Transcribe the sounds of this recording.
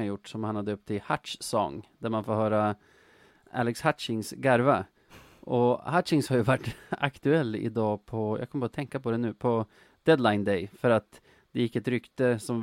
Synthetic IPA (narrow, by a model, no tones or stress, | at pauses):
aɾjʊʈːsɔmhanhad̪əɵp̚t̪ʰɪhat̪ʂsɔ̰ŋd̪æɾmanfoːɾɦœːɾa | æ̰lɛkshat̪ʂɪŋsɡæɾva | ʔɔhatːɪŋshaɾjʉvaʈːa̰kt̪ʉɛlːɪ̰d̪ɑːpʰɔjʔɑ̰ɡkʰɔməbɑɾat̪ʰɛŋkapʰɔd̪ɛnʉ̟ːpʰɔ | d̪̥ɛd̪laɪnd̪ɛɪfœɾat̪ | d̪̥ɛjɪkːɛt̪ɾʏkt̪əsɔm